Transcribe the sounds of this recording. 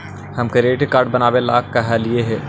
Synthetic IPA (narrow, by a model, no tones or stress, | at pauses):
hɐmkeɾeːʈekaːɾɖ̚bɐnaːʋela̰ːkːɐɦalieɦɛː